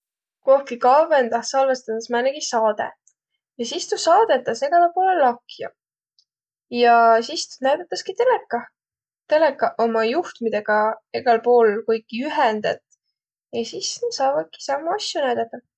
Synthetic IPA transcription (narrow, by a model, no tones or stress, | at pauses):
koːhkikɑvend̪ɑsɑlvest̪ɑt̪ːɑsmæːneɡ̥isɑːd̪̥ḛ | jɑsist̪usɑːd̪̥et̪ːˑɑse̞ɡ̥ɑlepo̞ːlelːɑkjɑ̰ | jɑsist̪næɥd̪ɑt̪ːˑɑskit̪e̞lekːɑ | t̪e̞lekːˑɑʔomɑjuht̪mid̪eɡ̥ɑeɡ̥ɑlpo̞ːlkujkːiyɦɛnd̪ḛt̪ːˑ | jɑsisne̥sɑːvɑd̪̥̚ki̥sɑmːuɑsjunæjd̪̥ɑt̪ːˑɑ